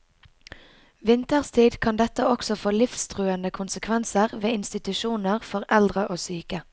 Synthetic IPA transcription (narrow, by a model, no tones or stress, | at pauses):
ʋɪnt̪əʁst̪ʰiːd̪kʰɑnd̪ɛt̪əɔksɔfoːlɪfst̪ʰʁʉːənəkʰʊnsəkʰʋɛnsəʁʋeːɪnst̪ɪt̪ʉʃuːnəʁfɔʁɛld̪ʁəʔoːsyːkə